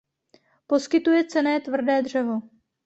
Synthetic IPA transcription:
po̞skɪt̪ujɛt͡sɛnɛːt̪vr̩dɛːd̪r̝̥ɛvo̞

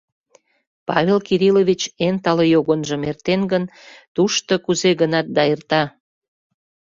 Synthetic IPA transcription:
pɑ̰βʲelkiɾiloβʲit͡ɕent̪ɑlejoɣonʒə̆mert̪enɡənt̪uʃt̪okuzeɣənɑt̪̚d̪ɑert̪ɑ

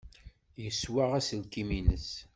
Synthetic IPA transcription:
jəswaʁæsəlkiminə̰s

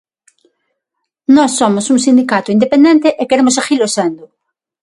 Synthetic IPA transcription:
nɔsːomʊsuŋsind̪ikat̪ʊind̪epẽnd̪ẽnt̪eʔekeɾemʊsaxilosend̪ʊ

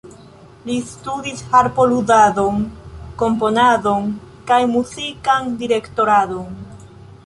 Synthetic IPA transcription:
listudishaɾpo̞ludado̞ŋko̞mpo̞nado̞n | kajmuzikandiɾe̞kto̞ɾado̞n

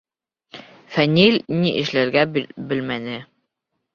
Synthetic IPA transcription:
fænʲilʲniʔɘ̆ʃlæɾɡæbɘ̆lmænɘ

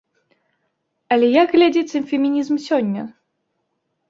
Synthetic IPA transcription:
ɐlʲɛjaɡɣlʲad͡zʲɛt͡s̪ʲɨmfʲɛmʲinʲizmsʲɔnʲːɐ

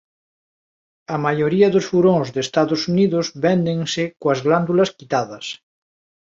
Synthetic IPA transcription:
amajoɾiaðosfuɾõŋzðest̪aðosuniðozβend̪ẽŋsekoazɣland̪ulaskit̪aðɐs

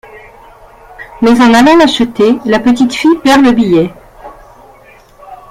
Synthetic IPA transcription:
mɛzɑ̃nalɑ̃laʃət̪elapət̪it̪fipɛʁləbijɛ

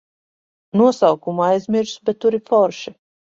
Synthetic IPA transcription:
nuɔsawkumajzmʲiɾsbɛt̪̚ːuɾifɔɾʃi

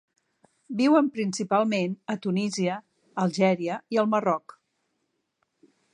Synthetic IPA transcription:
biwəmpɾinsipalˠmenət̪uniziəː | lˠʒɛɾiəiəlˠmərɔk

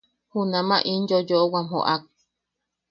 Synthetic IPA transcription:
hunãmãʔinjojoʔowamho̰ʔak̚

